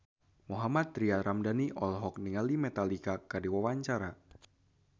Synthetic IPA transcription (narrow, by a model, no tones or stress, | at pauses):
moɦamat̪̚ːɾiaɾamdaniʔɔlɦɔk̚niŋalimɛt̪alikakadiwawaɲt͡ʃaɾa